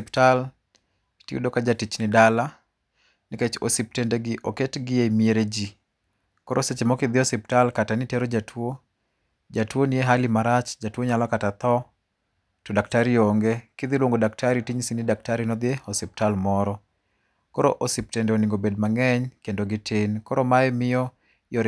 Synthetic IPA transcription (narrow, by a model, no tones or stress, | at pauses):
ptal | tiṵdokad͡ʒatit͡ʃnɪdala | nɪket͡ʃo̰sip̚tendeɡɪʔoketɡɪemieɾed͡ʒi | kɔɾʔoset͡ʃemɔkɪd̪ɪɔsiptalkatanɪteɾod͡ʒatʰwo | d͡ʒatwonieɦalimaɾat͡ʃd͡ʒatwoɲalɔkatat̪ɔ | tɔdak̚taɾioŋɡekɪd̪ilwoŋɡodak̚tʰaɾitiɲsinidak̚taɾinɔd̪jeɔsip̚talmɔɾɔ | kɔɾoʔosip̚tendeoniŋɡobed̚maŋɛɲkendoɡɪtʰenkɔɾɔmaɛmɪjɔ | jɔɾ